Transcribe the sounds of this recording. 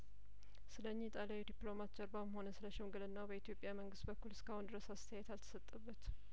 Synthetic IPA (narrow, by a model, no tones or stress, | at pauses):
sɨləɲːɪt̪ʼalawd̪iplo̞mat̪t͡ʃəɾbamho̞nəsɨləʃɛmɡɨlɨnːabəit̪jo̞pʼːjaməŋɡɨst̪̚bəkːulɪskʰahʊnd̪ɨɾəsast̪ʰəjɛt̪alt̪ʰə̥sət̪ʼːəbːət̪